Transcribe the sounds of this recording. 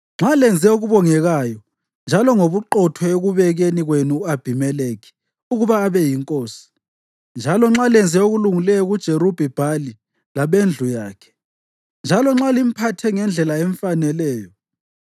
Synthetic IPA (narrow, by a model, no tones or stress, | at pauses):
ŋ͡ǁalɛnd͡zʱɛoɣuβɔŋɛɣajɔ | nd͡ʒʱalɔŋoβuǃɔtʰɔeɣuβɛɣeniɣwenuab̥ʱimɛleːki̥ | uɣuβaːβɛjiŋkʼoːsi̥ | nd͡ʒʱalɔŋ͡ǁalɛnd͡zʱɛoɣuluŋilɛjɔɣud̥ʒ̥ʱeɾub̥ʱib̥ʱali | laβend͡ɮʱujaːkʰɛ̥ | nd͡ʒʱalɔŋ͡ǁalim̩pʰatʰɛŋɛnd͡ɮʱɛlaɛɱfanɛlɛːjɔ